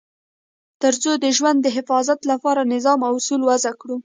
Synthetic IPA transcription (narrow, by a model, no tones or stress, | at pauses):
t̪əɾt͡sod̪əʒwand̪ːəɦɪfɑzat̪lapɑɾanɪzɑmawsulwazakɽu